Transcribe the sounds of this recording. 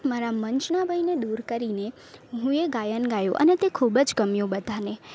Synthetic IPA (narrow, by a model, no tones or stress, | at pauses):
maɾaməɲt͡ʃnabʱəjned̪uɾkəɾine | ɦũeɡajənɡajõʔə̰net̪ekʰubəd͡ʒkəmjõbəd̪ʱane